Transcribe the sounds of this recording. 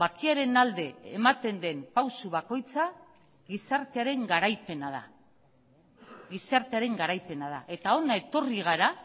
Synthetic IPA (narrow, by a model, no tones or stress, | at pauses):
bakiaɾe̞nald̪e̞ːmat̪e̞nd̪e̞mpawsuβako̞jt͡sa | ɣisaɾt̪eaɾe̞ŋɡaɾajpe̞naða̰ | ɣisaɾt̪eaɾe̞ŋɡaɾajpe̞nað̞a̰ʔe̞t̪ao̞nae̞t̪o̞riɣ̞aɾa